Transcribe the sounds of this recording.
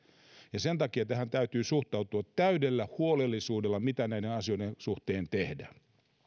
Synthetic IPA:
jɑsent̪ɑkiɑet̪ːæhænt̪æyt̪yːsuht̪ɑut̪uɑt̪ːæydelːæhuolelːisuːdelːɑmit̪ænæidenɑsioidensuht̪eːnt̪ehdæ

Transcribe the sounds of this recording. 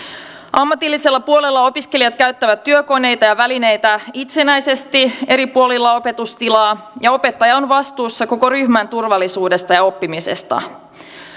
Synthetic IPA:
ʔɑmːɑt̪ilːise̞lːɑpuolelːɑo̞piske̞lijɑt̪kæɥt̪ːæʋæt̪ːyøko̞ne̞jt̪ɑjɑʋæline̞jt̪æit̪se̞næjse̞st̪ie̞ɾipuo̞lilːɑo̞pe̞t̪ust̪ilɑːjɑo̞pe̞t̪ːɑjɑonʋɑst̪uːsːɑko̞ko̞ɾyçmænt̪urʋɑlːˑisuːde̞st̪ɑjɑo̞pːimise̞̰st̪ɑ̰

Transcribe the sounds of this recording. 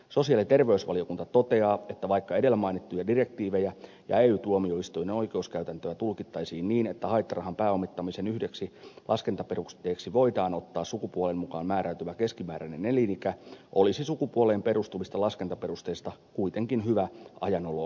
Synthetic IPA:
so̞siɑlit̪e̞rʋeysʋɑ̰lio̞kunt̪ɑt̪ot̪e̞ɑːet̪ːæʋɑikːɑedelːæmɑinit̪ːujɑdirek̚t̪iːʋejæ | jɑ̰eːyːt̪uomio̞ist̪ojneno̞ike̞uskæyt̪ænt̪øæt̪ulkit̪ːɑisiːnniːnet̪ːæhɑit̪ːɑrɑɦɑmpæːomːˑit̪ːɑmisenyhdeksilʔɑskent̪ɑperust̪eːksiʋo̞it̪ɑːno̞t̪ːɑːssukupuolemmukɑːnmæːɾæyt̪yʋæke̞skimæːɾænenelinikæʔolisisukupuoleːmpe̞rust̪umist̪ɑlɑske̞nt̪ɑperust̪eːst̪ɑkuit̪eŋkinɦyʋæɑ̰jɑnolo

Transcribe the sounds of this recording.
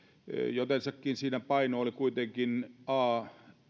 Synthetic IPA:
jot̪ensɑkːiːnsiːnæpɑinoolikuit̪eŋkinʔɑː

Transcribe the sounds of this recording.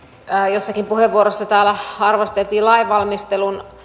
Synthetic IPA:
josːɑkimpuheʋːuoɾosːɑt̪æːlæhɑrʋɑst̪elt̪iːlɑiʋʋɑlmist̪elun

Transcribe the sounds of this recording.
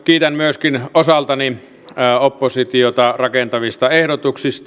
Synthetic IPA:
kiːt̪ænmyøskinosɑlt̪ɑni | opːosit̪iot̪ɑrɑkent̪ɑʋist̪ɑehɾot̪uksist̪

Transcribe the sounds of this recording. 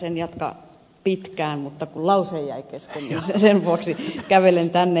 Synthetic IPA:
senjɑt̪kɑ̰ | pit̪kæːnmut̪ːɑkullɑuseijjæikeskennːnsesenʋuoksikæʋelent̪ænːe

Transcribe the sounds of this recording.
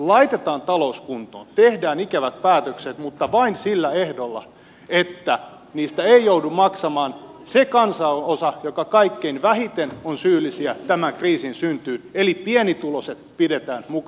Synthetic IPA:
lɑit̪et̪ɑːnt̪ɑlouskunt̪o̰ːnt̪ehdæːnikæʋæt̪̚pæːt̪økset̪mut̪ːɑʋɑinsilːæehdolːɑ̰ | et̪ːæ | niːst̪æeijoudumɑksɑmɑːnsekɑnsɑosɑjokɑkɑikːeinʋæhit̪enonsyːlːˑisiæt̪æmæŋkriːsinsynt̪yːnelipienit̪uloset̪pidet̪æːnmuk

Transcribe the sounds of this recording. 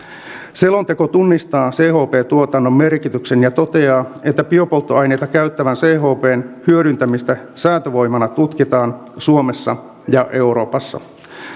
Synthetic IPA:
selo̞nt̪e̞ko̞t̪unːist̪ɑːse̞ːho̞ːpe̞ːt̪uot̪ɑnːo̞mːe̞rkit̪ykse̞njɑt̪o̞t̪e̞ɑːe̞t̪ːæpio̞polt̪ːoɑjne̞jt̪ɑkæɥt̪ːæʋænseːɦo̞ːpe̞ːnhyøɾynt̪æmist̪æsæːt̪øʋo̞jmɑnɑt̪ut̪kit̪ɑːnsuome̞sːɑ̰ | jɑʔe̞wɾo̞ːpɑsːɑ̰

